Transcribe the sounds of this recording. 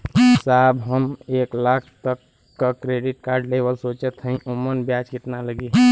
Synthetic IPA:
saːbɦəmeːklaːkʰt̪əkː | akɾeːɖɪʈ̚kaːɾɖleːbəlsoːt͡ʃət̪ɦɛ̃ĩʔʊmənbjaːt͡ʃkɪt̪naləɡiɦ

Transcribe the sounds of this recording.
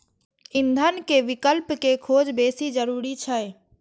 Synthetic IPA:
ɪ̃nd̪ʱənkeʋɪkəlpkekʰoːd͡ʒbeːsid͡ʒəɾuːɾit͡ʃʰə

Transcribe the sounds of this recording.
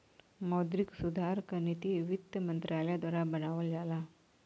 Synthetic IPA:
mɔd̪ɾiksud̪ʱaɾkənit̪iiʋid̪əmənt̪ɾaləjad̪ʋaɾabənaʋəld͡zala

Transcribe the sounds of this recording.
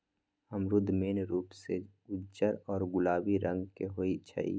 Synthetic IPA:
əmɾʊd̪ʱmeːnɾuːpse | ʊd͡ʒəɾɔːɾɡʊlaːwiɾə̃ŋɡkeɦoːit͡ʃʰə̰ḭː

